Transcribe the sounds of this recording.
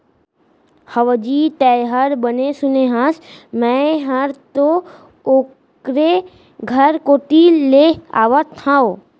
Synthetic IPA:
həʋəd͡ʒit̪ɛɦəɾbənesʊneɦãsmɛ̃ɦəɾt̪o | oː | kkɾe | ɡʱəɾkoːʈilea̰ːʋət̪ʰːão

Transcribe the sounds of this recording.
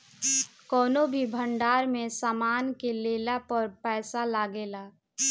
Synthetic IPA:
kɔːnobʱibʱə̃ɳɖaːɾmẽsaːmaːnkeleːlapəɾpɛːsalaːɡeːlaː

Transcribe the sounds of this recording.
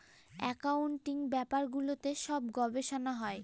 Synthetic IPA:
ɛkawɳʈiŋbɛpaɾɡulot̪eʃɔbɡɔbeʃonaɦɔe

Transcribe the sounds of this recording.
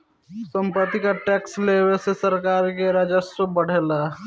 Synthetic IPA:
sə̃mpɾət̪ikaʈɛːksleːwesesəɾkaːɾkeɾad͡ʒəsɾəbəɽ̤eːlaː

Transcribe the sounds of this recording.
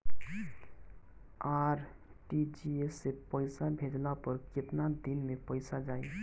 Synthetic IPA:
aɾ | ʈid͡ʒiesːepəɪsabʱed͡ʒlapəɾkɪt̪nad̪inmepəɪsad͡ʒaːi

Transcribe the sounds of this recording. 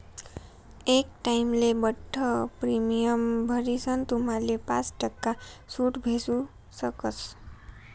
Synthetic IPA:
ek̚ʈajmlebʌʈʰːʌpɾimijʌmbʱʌɾisʰʌnt̪umalepã̰t͡sʈʌkːasuʈbʱesu | sʌkʌs

